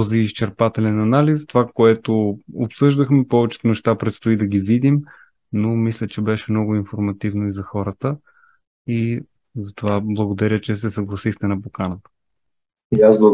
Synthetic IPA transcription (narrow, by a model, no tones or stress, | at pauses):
t̪ɔziːst͡ʃɛɾpat̪ɛlɛnɐnalist̪ovakoɛt̪oopsɤʒd̪əxmɛpɔvɛt͡ʃɛ̥t̪ʊnɛʃt̪apɾɛt̪st̪oid̪ɐɡʲivid̪im | nomislʲət͡ʃɛbɛʃɛmnɔɡʊinfoɾmɐt̪ivnoizɐxɔɾət̪ə | i | zɐt̪ovablˠɐɡod̪ɐɾʲət͡ʃɛsɛsɐɡlˠɐsixt̪ɛnɐpokanət̪ə̥ | iazblˠə